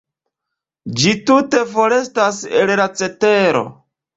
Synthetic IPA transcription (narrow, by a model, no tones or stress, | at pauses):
d͡ʒitute̞fo̞ɾe̞stasḛlɾat͡se̞teɾo̞̰